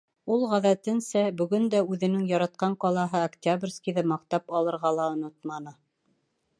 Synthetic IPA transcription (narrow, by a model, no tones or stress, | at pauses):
ulˠʁæðæt̪ɘnsæbɵ̆ɡɵnd̪æʉðɘ̆nɘŋjɑɾɑt̪̚qɑɴqɑlˠɑɦɤɐktʲabrʲskʲiðɤmɑqt̪ɑpɑlˠɤ̆ɾʁɑlˠɑŏnot̪mɑnɤ